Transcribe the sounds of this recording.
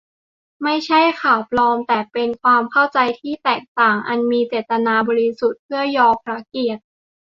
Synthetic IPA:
ma˥˩jt͡ɕʰa˥˩jkʰaː˨˩wpʰlɔː˧mt̪ɛː˨˩pe˧nkʰwaː˧mkʰa˥˩wt͡ɕa˧jt̪ʰiː˥˩t̪ɛː˨˩k̚t̪aː˨˩ŋʔa˧nmiː˧t͡ɕe˨˩t̪ːa˧naː˧bɔː˧ɾi˧˥su˨˩t̪̚pʰɯ˥˩əjɔː˧pʰɾa˧˦˥ki˨˩ət̪̚

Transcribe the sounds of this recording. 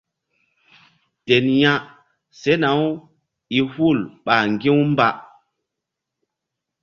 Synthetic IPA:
te˨nja˦ | se˦na˨˦w | i˨hu˦˨lɓa˨ŋɡĩ˦wmba˨

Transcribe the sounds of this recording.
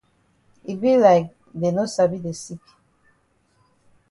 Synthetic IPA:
i˨bĩ˦la˨ɪk̚ | de˨no˦sabi˦de˨si˦k

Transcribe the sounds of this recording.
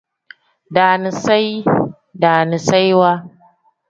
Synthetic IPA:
daː˨ni˨sa˦j | daː˨ni˨sa˦jwaː˦

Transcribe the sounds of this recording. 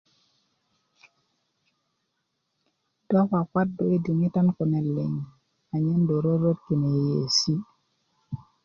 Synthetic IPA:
dɔ˦ka˨ka˦t̚do˨e˦di˨ŋi˦ta˦nko˨ne˨lːḛ˨ŋ˨ | a˨ɲe˦ndo˨ɾo˦ɾo˦ki˨ne˨je˨si˦

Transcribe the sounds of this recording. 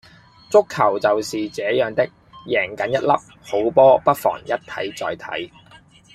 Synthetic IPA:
t͡sʊ˥kʰːɐ˨˩wt͡sɐ˨wsiː˨t͡sɛː˨˥jœː˨˧ŋt̪ɪ˥k̚ | jɛː˨˩ŋkɐ˨˥njɐ˥t̚lɐ˥p̚ | ho˨˥wpɔː˥pɐ˥t̚fɔ̰ː˨˩ŋjɐ˥t̚t̪ʰɐ̰˨˥jt͡sɔ̰ː˨jt̪ʰɐ̰˨˥j

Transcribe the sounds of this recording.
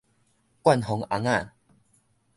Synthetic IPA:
kwa˥˨nɦɔ˨˦ŋa˨˦ŋa˥˨

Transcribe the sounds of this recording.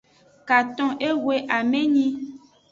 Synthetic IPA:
ka˨t̪ɔ̃˦ʔe˦wwe˦ʔa˨mẽ˦ɲĩ˦

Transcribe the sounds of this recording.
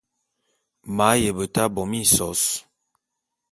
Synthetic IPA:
ma˨˦jə˨bə˨ta˦bɔ˨mi˦˨sɔ˨˦s

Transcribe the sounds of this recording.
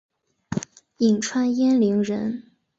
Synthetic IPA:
i˨˩ŋʈ͡ʂʰwa˥njɛ˥nli˧˥ŋɻə˧˥n

